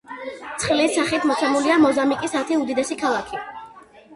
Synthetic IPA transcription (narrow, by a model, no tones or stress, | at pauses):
t̪sʰχlisaχit̪ʰmɔt̪sʰɛmuliamɔzamikʼisat̪ʰiud̪id̪ɛsikʰalˠakʰi